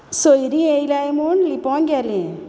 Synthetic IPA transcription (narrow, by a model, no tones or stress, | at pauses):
sojɾiejlajmuɳlipɔ̃ŋɡalẽ